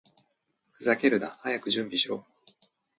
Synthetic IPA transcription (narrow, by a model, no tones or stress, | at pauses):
zakʲe̞ɾɯ̟d̪ahajakɯ̟ʑɨ̃mbʲiɕiɾo̞ː